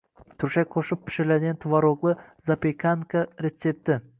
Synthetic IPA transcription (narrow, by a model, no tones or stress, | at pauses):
t̪ʰʊɾʃaj̚qʰoʃɪpʰːɪ̥ʃɪlad̪ɪɡʲant̪ʰvaɾoɡlˠɨzapekʰaŋkʰaɾe̞t̪se̞p̚t̪ɪ